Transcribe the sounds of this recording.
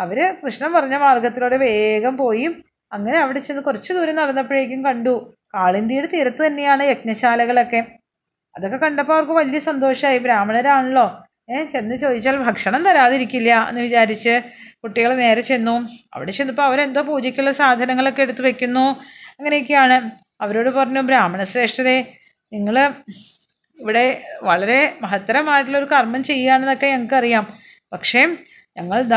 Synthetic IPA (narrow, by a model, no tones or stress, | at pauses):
ɐʋɐɾɨkrɨɕnɐmpɐrɐɲːɐmaːrɡɐt̪ːilo̞ːɽeʋe̞ːɡɐmpo̞ːjim | ɐŋːɐneɐʋiɽe̞t͡ɕenːɨkurɐt͡ɕːɨd̪uːɾɐnɐrɐnːɐpːiɻeːkʲːumkɐɳɖu | kaːɭind̪iːɽɨt̪iːɾɐt̪ːɨt̪ɐnːe̞jaːɳɨjek̚nɐɕaːlɐɣɐɭo̞kːe̞ | ɐðo̞kːe̞kɐɳɖɐpːoɐʋɐrkɨʋɐlijɐsɐnd̪o̞ːʂɐmaːjibɾaːmɐɭɐɾaːɳuɭːo̞ː | et͡ɕe̞nːɨt͡ɕo̞ːd̪ʱit͡ɕːaːlbʱɐkʂɐɳɐmt̪ɐɾaːðiɾikʲːilːɐḛnːɨʋit͡ɕaːɾit͡ɕːɨkuʈːiɣɐɭne̞ːɾɐt͡ɕejnːuɐ̰ʋiɽe̞t͡ɕenːuɐpːo̞ːɐʋɐɾe̞nd̪oːpuːd͡ʑikʲːuɭːɐsaːd̪ʱɐnɐŋːɐɭo̞kːe̞eɽut̪ːuʋɐkʲːunːuɐŋːɐnek̬ʲːɨjaːɳɨ | ɐʋɐɾo̞ːɽɨpɐrɐɲːubɾaːmɐɳɐsre̞ːʂʈɐðe̞ | niŋːɐɭ | iʋiɽe̞ʋɐɭɐɾe̞mɐɦɐt̪ːɐɾɐmaːjiʈːiɭo̞ɾukɐrmɐnt͡ɕe̞jːaːɳenːo̞kːe̞ɲɐŋːɐkːɐrijaːm | pɐkʂe̞ː | ɲɐŋːɐɭd̪